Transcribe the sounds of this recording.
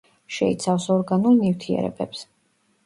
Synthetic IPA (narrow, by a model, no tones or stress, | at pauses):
ʃɛit̪sʰafsɔɾɡanulˠnift̪ʰiɛ̰ɾɛ̰bɛps